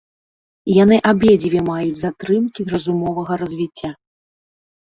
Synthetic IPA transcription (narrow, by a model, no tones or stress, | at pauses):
janɨʔabʲed͡zʲivʲɛmajud͡zʲzat̪ɾɨmkʲirɐzumɔvɐɣɐɾɐzʲvʲit͡sʲːa